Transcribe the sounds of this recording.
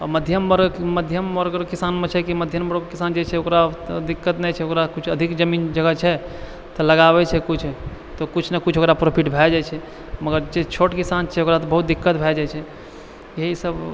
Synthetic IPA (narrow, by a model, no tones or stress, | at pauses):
ɔ̰məd̪ʱjəmːəɾɡːəd̪ʱjəmːəɾɡɾkisanmet͡ʃʰɛkiməd̪ʱjəmːəɾkisand͡ʒet͡ʃʰɛokɾad̪ikːət̪nɛt͡ʃʰɛokɾakut͡ʃʰəd̪ʱikd͡ʒəmind͡ʒəɡət͡ʃʰɛ | t̪ɔləɡaβɛt͡ʃʰɛkut͡ʃʰ | t̪ɔkut͡ʃʰnekut͡ʃʰokɾapɾopʰiʈbʱɛd͡ʒat͡ʃʰɛ | məɡəɾd͡ʒet͡ʃʰoʈkisant͡ʃʰɛokɾat̪ɔbəɦut̪̚d̪ikːət̪̚bʱɛd͡ʒajt͡ʃʰɛ | jeɦisəb